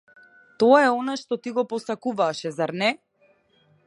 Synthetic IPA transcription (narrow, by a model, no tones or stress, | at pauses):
t̪ɔaɛɔnaʃt̪ɔt̪iɡɔpɔsakuvaʃɛzaɾnɛ